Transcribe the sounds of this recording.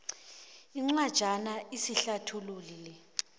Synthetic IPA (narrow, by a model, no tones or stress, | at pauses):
iŋ͡ǀwad̥ʒ̥ʱanaʔisiɬatʰululilɛ